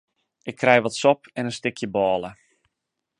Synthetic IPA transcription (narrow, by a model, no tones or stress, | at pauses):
ʔɪkʰːrɛjʋɔtsɔpɛnəstɪkʰjəbɔːlˠə